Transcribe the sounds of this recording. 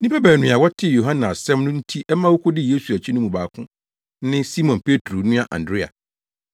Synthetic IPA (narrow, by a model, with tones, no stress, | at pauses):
nĩ˦pɛ˦bæː˨nʊ̃˨a˨wɔ˦tʰɪ˦˨jo˨ɦã˦nã˨a˨sɛ̃˦mnʊ̃˦n̩˦tʰi˦ʔɛ˦mã˦wo˦kʰo˦dɪ˦je˦su˨æ˨t͡ɕʰi˦nʊ̃˦mũ˨baː˨kʰʊ̃˦ | nɪ̃˦si˦mɔ̃˨npʰe˦tʰɾo˨˦nũ˦a˨ʔã̰˨ndɾɪ˦a̰˨